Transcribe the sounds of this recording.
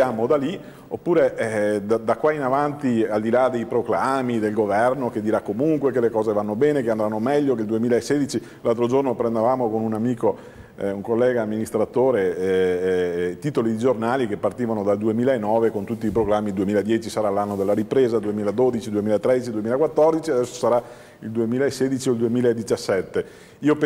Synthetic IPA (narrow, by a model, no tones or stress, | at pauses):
aːmod̪ali | opːuːɾeʔd̪ad̪akwainavant̪iald̪ilad̪ejpɾoklaːmid̪elɡovɛrnoked̪iɾakːomuŋkwekelekɔːzevanːobɛːnekeand̪ɾanːomɛʎːokeld̪uemiːlaesːeːd̪it͡ʃi | lalt̪ɾod͡ʒornopɾend̪evaːmokonunamiːko | uŋkolːɛːɡaːmːinist̪ɾat̪oːɾeɛ | t̪iːt̪olid̪id͡ʒornaːlikepːart̪iːvanod̪ald̪uemiːlaenːɔːvekont̪ut̪ːiːpɾoɡɾamːid̪uemiːlaed̪jɛːt͡ʃisaɾalːanːod̪elːaɾipɾeːzad̪uemiːlad̪od̪it͡ʃid̪uemiːlaet̪ːɾɛd̪it͡ʃid̪uemilakwat̪ːɔrd̪it͡ʃiad̪ɛsːosaɾa | ild̪uemiːlaesːeːd̪it͡ʃiold̪uemiːlaed̪it͡ʃasːɛt̪ːe | iːop